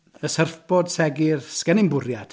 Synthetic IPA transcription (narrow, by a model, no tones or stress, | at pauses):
əsərfb̥ɔdsɛɡɪrskənɪmbʊrjad̥